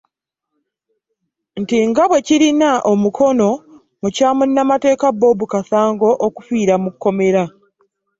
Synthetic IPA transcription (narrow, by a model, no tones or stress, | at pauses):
ntiŋɡaβwe̞ciɾinaʔomukʰo̞no̞ | mucaːmunːamate̞ːkabo̞ːbukasaːŋɡo̞ʔoku̥fiːɾamukːo̞me̞ɾa